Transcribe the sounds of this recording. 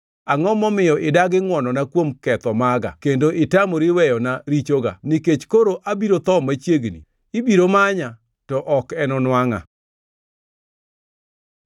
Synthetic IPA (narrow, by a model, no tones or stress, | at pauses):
aŋɔmɔmɪjɔʔɪdaɡɪŋwɔnɔnakwomkɛt̪ɔmaɡa̰kendoʔɪtamoɾiwɛjɔnaɾit͡ʃoɡa̰niket͡ʃkoɾoʔabiɾot̪ɔmat͡ʃjeɡnḭ | ibiɾomaɲa | tɔʔɔkɛnɔnwaŋa̰